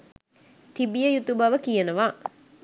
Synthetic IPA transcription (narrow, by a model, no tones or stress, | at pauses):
t̪ibijəjut̪ubɐʋəkijənəʋaː